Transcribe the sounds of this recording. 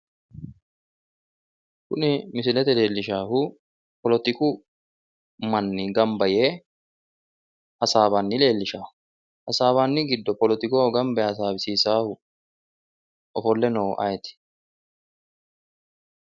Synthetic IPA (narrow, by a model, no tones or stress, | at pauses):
kʊnɪmɪsɪlɛt̪ɛle̞ːlːɪʃaːhʊ | pɔlɔt̪ɪkʊ | mɐnːɪɡɐmbɐje | ʔɐsaːbɐnːɪle̞ːlːɪʃaːhʊ | ʔɐsaːβanːɪɡɪd̪ːɔpɔlɔt̪ɪkoːɡɐmbɐɐs̬aːbɪsiːsaːhʊ | ʔɔfɔlːɛnɔːʔɐ̰jɛt̪ɪ̥